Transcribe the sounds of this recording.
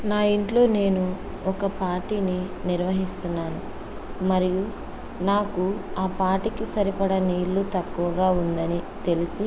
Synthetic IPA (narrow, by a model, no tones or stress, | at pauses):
naːiɳʈlo̞ːne̞ːnu | ɔkɐpaːɾʈiːniniɾʋɐɦist̪unːaːnu | mɐɾiju | naːkuaːpaːʈikisɐɾipɐɽɐniːɾlut̪ɐkːuʋɐɡaːund̪ɐnit̪e̞lisi